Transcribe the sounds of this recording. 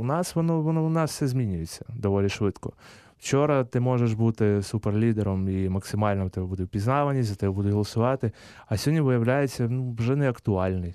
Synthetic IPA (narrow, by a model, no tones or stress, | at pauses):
ʊnɑsʋɔnɔʋɔnɔʊnɑsfsɛzʲmʲinʲʊjet͡sʲːɐ̥d̪ɔʋɔlʲiʃʋɪt̪kɔ | w̥t͡ʃɔɾɐt̪ɪmɔʒeʃbut̪ɪsuperlʲid̪eɾɔmimɐksɪmɑlʲnɔt̪ɛbɛbud̪ɛwʲpʲiznɑʋɐnʲizɐt̪ɛbɛbud̪ʊɦɔlˠɐsʊʋɑt̪ɪ | ɐsʲɔdʲnʲiʋɪjɐwlʲajet͡sʲːɐnuʋʒɛnɛɐkt̪ʊɑlʲnɪj